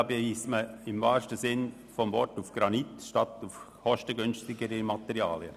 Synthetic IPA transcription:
bejiːsməɪmvɑːʃtəsɪn | fɔmvɔɾtufɡ̥ɾɑnitʃtɑt̪uf | hɔʃtəɡʏnstɪɡəɾəmɑt̪ɛɾiɑːljə

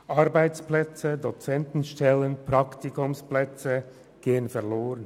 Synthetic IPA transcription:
ʔɑʁbaɪt͡splɛt͡sədot͡sɛntn̩ʃtɛlənpʁ̥ɑkt̪ikʊmsplɛt͡sə | ɡ̥eːənfɛʁloːʁən

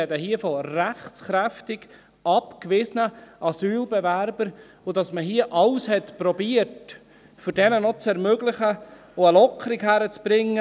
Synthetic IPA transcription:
ɛdəhiəfɔræχt͡sχɾæftɪɡ̥ | ɑpkʋɪsənəʔɑsyːlbɛvæɾb̥əɾ | ʊd̥ɑsməɦiəʔɑlshɛtpɾɔbiət | fʏɾdɛnənɔt͡sɛɾmøɡlɪχə | oəlɔkʰəɾikhæɾət͡sb̥ɾɪŋːə

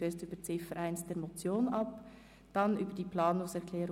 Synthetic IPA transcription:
eːstyːbət͡sɪfəɾʔæɪnst̚d̥ɛːɾmot͡sjoːnʔɑp | d̥ɑnyːbəd̥iːplɑːnʊŋsɛʁkʰlɛːɾ

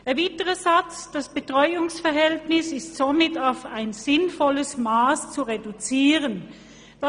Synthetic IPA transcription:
ɛɐviːtəʁəzat͡sd̥asb̥etʁ̥ɔʏʊŋsfɛɐɦɛltnɪsɪstsomɪtaʊfaɪnz̥ɪnfɔləsmaːst͡suʁedut͡siːʁən | d̥a

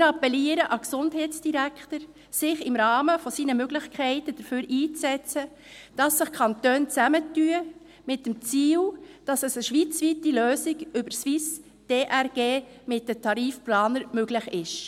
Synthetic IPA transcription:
mɪːɾɑpɛliəɾəʔɑksʊndɦɛɪtt͡sd̥iɾækʰtəɾ | sɪχɪmɾɑːməfɔsiːnəmøɡlɪχkʰɛɪtəd̥əɾføːɾiːt͡sɛt͡sə | d̥ɑsːɪχkʰɑntøːnt͡sæmətːyə | mɪt̚dəmt͡siːld̥ɑsəsəʃʋit͡sʋitiløːsɪɡʏbəsʋɪs | d̥eːʔæɾɡ̥eː | mɪt̚d̥ətʰɑɾiːfplɑːnəɾmøɡlɪχɪʃ

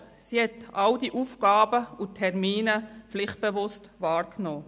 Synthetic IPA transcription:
sihɛtɑld̥iʔuːfɡɑːbəʊtʰːɛɾmiːnəflɪχt̚b̥evʊstvɑːɾknoː

